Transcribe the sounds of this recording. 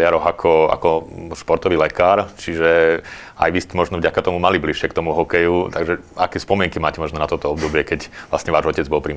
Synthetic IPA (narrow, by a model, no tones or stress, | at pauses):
jaɾɔɦakʰɔa̰kɔʃpɔɾt̪ɔʋiːlɛkaːɾt͡ʃiʒɛ | a̰jʋiscɛmɔʒnɔvɟakat̪ɔmumalibliʃɪɛkt̪ɔmuɦɔkɛjut̪aɡʒɛakɛːspɔmɪɛŋkimaːcɛmɔʒnɔnat̪ɔt̪ɔɔbd̪ɔbɪɛkɛcʋlasɲɛʋaːʒɔcɛd͡zbɔlpɾi